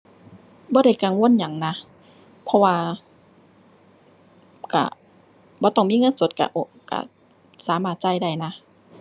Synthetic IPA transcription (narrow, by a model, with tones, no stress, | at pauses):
bɔː˧ɾa˧˥˩jka˧˩ŋwu˧˥˨nɲa˨˩˦ŋna˧˥ | pʰɔ˧waː˧ | ka̰˧˩ | bɔː˧˦t̪ɔ˧˩ŋmiː˧˥˨ŋɤ˧˥˨nso˨˧˦t̪̚ka̰˧˩ʔo˧˩ | ka̰˧˩ | saː˨˦maː˧˩t̪̚t͡ɕa˧˩jda˧˥˩jna˧˥